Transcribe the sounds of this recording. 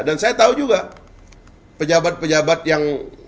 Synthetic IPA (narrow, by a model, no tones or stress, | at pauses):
dansajat̪aud͡ʒuɡa | pəd͡ʒabat̪̚pəd͡ʒabat̪̚jaŋ